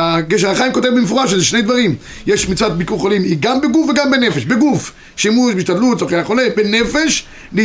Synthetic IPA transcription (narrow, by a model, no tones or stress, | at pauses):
aɡeʃ̬eʁaχaimko̞t̪evbemefuʁaʃezeʃne̞jd̪vaʁim | jeʃmit͡svat̪̚bikuχolimiɡambeɡufveɡambenefe̞ʃbeɡuf | ʃimuʃbeiʃt̪adlut̪t͡soχeaχo̞lebene̞fe̞ʃ | li